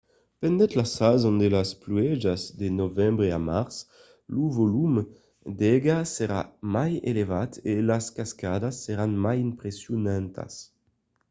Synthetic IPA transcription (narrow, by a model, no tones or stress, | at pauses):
pɛnd̪ɛt̪lasazõnd̪elaspluɛd͡ʒazd̪enovɛmbʁeamaʁs | luvolum | d̪ɛɡaseɾa̰majelevat̪elaskaskad̪asːeɾanmajimpʁesjunant̪a̰s